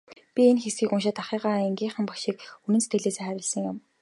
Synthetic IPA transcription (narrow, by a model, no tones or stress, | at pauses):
pʲienxesɡiːkʊnʃ̬ăːt̪aχiːʁaːeŋɡʲiːɴχə̆mpɔʃiːk̚unɘ̆set̪ɡɘ̆ɮeːseːχæɾʲɪ̆ɮsə̆ŋjʊm